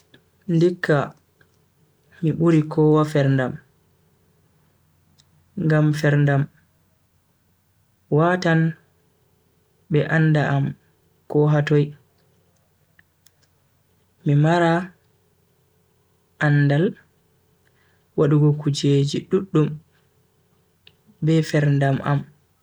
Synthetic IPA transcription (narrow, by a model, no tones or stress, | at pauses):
ndikʰːa | miɓuɾikɔwafɛɾndam | ŋɡamfɛɾndam | watan | ɓɛʔanːdaʔam | kɔɦatoj | mimaɾa | ʔandal | waɗuɡɔkud͡ʒed͡ʒiɗuɗːum | bɛfɛɾndamʔa̰m